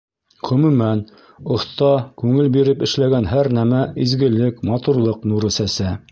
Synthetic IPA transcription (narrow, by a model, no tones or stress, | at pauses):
ʁɵ̆mʉmæn | ŏθt̪ɑkʉŋɘlbiɾɘpɘ̆ʃlæɡænɦæɾnæmæizɡɘ̆lɘkmɑt̪uɾlˠɤqnuɾɘ̆sæsæ